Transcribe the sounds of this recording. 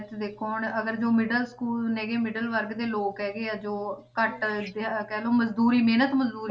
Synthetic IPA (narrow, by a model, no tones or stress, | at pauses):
t̪d̪eːkʰːoːɳəɡəɾd͡ʒoːmɪɖəlskuːlnɛːɡeːmɪɖəlʋəɾɡd̪eːloːkɦɛːɡeːaːd͡ʒoːkəʈd̪ekɛːloːməzd̪uːɾiːmeːnət̪məzd̪uːɾ